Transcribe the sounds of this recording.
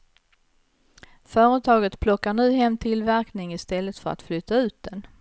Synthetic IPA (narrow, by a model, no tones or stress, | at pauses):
fœːɾət̪ʰɑːɡət̪pʰlɔkːaɳʉ̟ːɦɛmːt̪ʰɪlvæɾknɪŋɪst̪ɛlːət̪fœɾa̰t̪flʏt̪ʰːaʉ̟ːt̪̚d̪ɛn